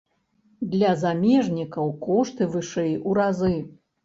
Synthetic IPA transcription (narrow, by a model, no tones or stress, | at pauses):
d̪lʲɐzamʲɛʐnʲikɐwkɔʂt̪ɨvɨʂɛjuɾazɨ